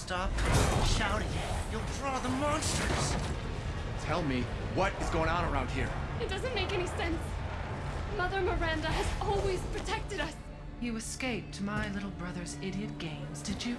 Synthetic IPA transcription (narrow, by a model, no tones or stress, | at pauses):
stɑpʃaʊɾɪ̃ŋjɨjulˠdɹɔðəmɑ̃nstɹ̥ɨz̥ | tʰɛlˠmi | wʌɾɨzɡoʊɪ̃ŋə̃nə˞ãʊ̃nd̚hḭɹɨt̚d̥ʌzɨ̃nmeɪkɛɾ̃isɛ̃ns | mʌðə˞mə˞æ̃ndəɨzɔlˠwiz̥pʰɹ̥ɨtʰɛk̚tɨɾʌs | jɨɨskeɪp̚tʰɨmaɪlɪɾl̩ˠbɹʌðə˞zɪɾiɨt̚ɡ̥ẽɪ̃mzdɨd͡ʒɨ